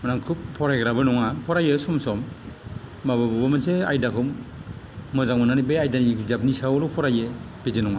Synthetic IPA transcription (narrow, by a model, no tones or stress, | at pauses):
manaŋkʰup̚pʰɔɾajɡɾabɯnɔŋapʰɔɾajɯsɔmsɔmː | abɯbɔbɯmasea̰jdakʰɔmː | ɔzaŋmananibeajdanizap̚nisawɾupʰɔɾaje | b̥id͡ʒenɔŋa